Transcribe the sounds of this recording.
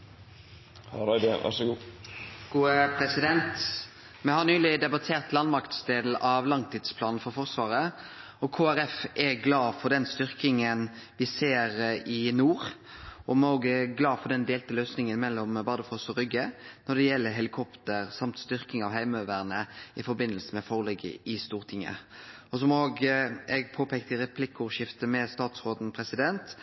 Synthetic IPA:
hɾæd̪əʋæ̰ɾʂəɡuːɡ̥uːəpʰɾɛsɪd̪ɛnt̪ | mɛhɑnyːlɪd̪ɛbɑt̪ʰeːʁt̪lɑnmɑkt̪sd̪eːd̪l̩ʔɑʋlɑŋt̪ʰiːd̪spʰlɑːnn̩fɔɾfɔʁsʋɑːʁɾə | ɔkʰoːæɾɛfɛɡlɑːfɔɖ̪ɛnst̪ʏʁkɪŋənʋɪseːɾɪnuːɾ | ɔmoːɡɛɡlɑːfɔd̪ɛnd̪eːlt̪əløːsnɪŋənmɛlːɔmbɑd̪əfɔsɔɾʏɡənɔd̪ɛjɛlːəɾɦɛlɪkʰɔpt̪əʁsɑmt̪st̪ʏɾkɪŋɑʋhæɪmøːʋæʁnəɪfɔɾbɪnːəlsəmɛfɔʁlɛɡə̰ʔɪst̪uːʁt̪ʰɪŋːə̰ɔsɔmoːɡɛɡpʰoːpʰɛːkt̪əɾɛpʰlɪkːəʊʂɪft̪əmɛst̪ɑːt̪sʁoːd̪n̩pʰɾɛsɪd̪ɛnt̪

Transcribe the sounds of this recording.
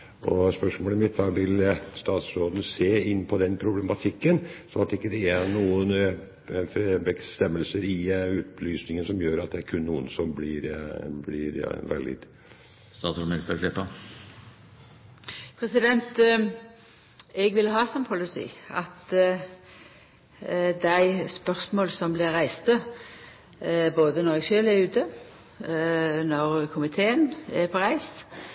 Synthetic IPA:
ʔɔ̰spœʂmoːləɪmɪt̪ʰːɑːɡʋɪlst̪ɑːt̪sɾoːd̪nseːɪnːpʰɔd̪ɛnpʰɾʊblɛmɑt̪ʰɪkːənsɔnɑt̪d̪ɛɪkːəd̪ɛænuːən | bɛst̪ɛmːəlsəɾɪʉːt̪̚lyːsnɪŋənsɔmjøːɾɑt̪̚d̪ɛæɾkʰʉnːuːə̰nsɔmblɪɾblɪɾʋɛ̰ld̪ɪ̰d̪ | st̪ɑːt̪sɾmɪlk̪əʂɪpːə | pʰɾɛsɪd̪ɛnt̪ | ɛɡʋɪlɦɑːsɔmpʰɔlɪsḭːɑ̰t̪ | d̪æɪspœʁsmoːlsɔmblɪʁɾæɪst̪ə | boːd̪ənɔʁɛɡʃøːlɛʉːt̪ʰə | nɔʁkʰʊmɪt̪ʰeːənæpʰɔʁæɪs

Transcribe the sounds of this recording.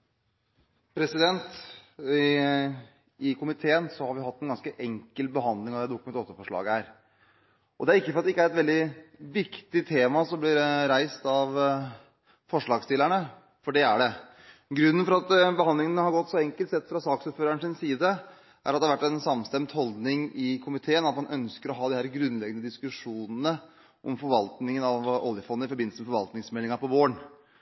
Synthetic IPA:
pʰɾɛsɪd̪ɛnt̪ | ɪkʰʊmɪt̪ʰeːənsɔhɑɾʋɪhɑt̪ːɛnɡɑnskəʔɛŋkəlbəɦɑnd̪lɪŋɑʋ̪ɛæd̪ʊkːmɛɔt̪ːəfɔʂɭɑ̰ːɡəæɾ | ɔd̪ɛæɾɪkːəfɔɾɑt̪ɛɪkːəæɾɛt̪ʋɛld̪ɪʋɪkt̪ɪt̪ʰeːmɑsɔmblɪɾɾæɪst̪ɑʋ | fɔʂɭɑːɡst̪ɪləæɳə | fɔɖɛæɖɛ | ɡɾʉnːənfɔɾɑt̪bəhɑnd̪lɪŋənəhɑɾɡɔt̪ːsɔɛŋkəlt̪sɛt̪ːfɾɑsɑːksʉpføːɾæɳʂɪnsiːd̪ə | ʔæ̰ɾɑt̪d̪ɛhɑɾʋæʈːɛnsɑmst̪ɛmt̪hɔld̪nɪŋɪkʰʊmɪt̪ʰeːənɑt̪mɑnʔœnskəɾɔɦɑːd̪ɪhæːɾɡɾʉnːlɛɡənəd̪ɪskʉʂuːnənə | ʔɔmfɔɾʋɑlt̪nɪŋənɑʋɔ̰ljəfɔnːəɪfɔɾbɪnl̩səmɛfɔɾʋɑ̰lt̪nɪŋsmɛlːɪŋɑpɔʋoːəɳ

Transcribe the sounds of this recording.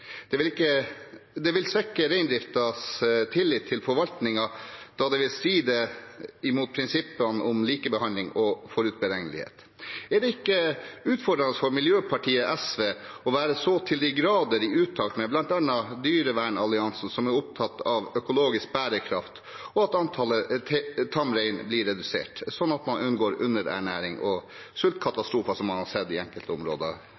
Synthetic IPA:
d̪̥ɛʋɪlɪkːəd̪ɛʋɪlsʋɛkːəɾæɪnd̪ɾɪft̪ɑst̪ʰɪlːɪt̪ʰːɪlfɔɾʋɑlt̪nɪŋɑd̪̥ɑd̪ɛʋɪlst̪ɾiːd̪əɪmuːt̪̚pʰɾɪnsɪpːənəʔɔmliːkəbəhɑnlɪŋɔfɔɾʉːt̪̚bəɾɛŋəlɪ̰hḛːt̪ | æɖɛɪkːəʉːt̪fɔɖɾɑnəsfɔɾmɪljøːpʰɑʈʰiːəʔɛsʋeːɔʋæːɾəsɔt̪ʰɪld̪ɪɡɾɑːd̪əɾɪʉːt̪ʰːɑːlt̪mɛblɑnt̪ɛnːɑd̪yːɾəʋæːɳɑlɪɑnsn̩sɔmæɾʊp̚t̪ʰɑt̪ːɑʋœkʊloːɡɪsk̚bæːɾəkʰɾɑft̪ | ɔɑt̪ɑnt̪ʰɑːlət̪ʰt̪ʰɑmɾɛɪnblɪɾːɛd̪ʉsḛːʈsɔnːɑt̪mɑnʔʉnɡoːɾʉ̰nːəɾæ̰ɳæːɾɪŋɔ | sʉlt̪̚kʰɑt̪ɑst̪ɾuːfɑsɔmɑnhɑsɛd̪ːɪɛŋkəlt̪əʊmɾo̰ːd̪ə̰

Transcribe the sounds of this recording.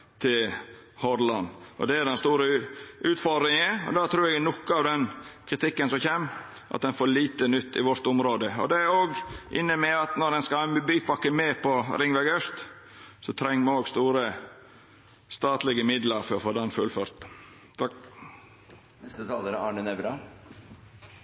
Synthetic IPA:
t̪ʰɪl | hɔɾlɑnɔ̰d̪ɛæɖɛnst̪uːɾəʉːt̪fɔd̪ɾɪŋəɔ̰d̪ɑt̪ʰɾʉːɾɛɡnɔkːəɑʋd̪ɛnkʰɾɪt̪ʰɪkːənsɔmçeːm | ʔɑ̰t̪̚d̪ɛnfoːɾɭiːt̪ənʏt̪ːɪ̰ʋɔɾt̪ʊmɾoːd̪əɔ̰d̪ɛæɾoːɡʔɪ̰nːəmɛɑt̪nɔɾd̪ɛnskɑhɑːnbyːpɑkːəmɛːpʰɔɾɪŋʋæɡœst̪ | sɔt̪ʰɾɛŋːmoːɡst̪uːɾə | st̪ɑːt̪lɪɡəmɪd̪ləɾfɔɾɔfoːd̪ɛnfʉlføːɾt̪ | nɛst̪ət̪ʰɑːləɾəɑːɳənɛbɾɑ

